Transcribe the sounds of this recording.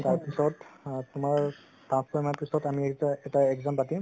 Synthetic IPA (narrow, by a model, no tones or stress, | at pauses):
taɹpisɔttʊmaɹ | tãskɔmapisɔtamiɛtaɛɡzampatĩ